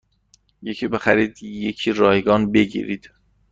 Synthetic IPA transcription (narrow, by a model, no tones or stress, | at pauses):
jecʰiːbe̞xæɾiːd̪jecʰiːɾɒːjeɡɒːnbe̞ɡḭːɾḭd̪̥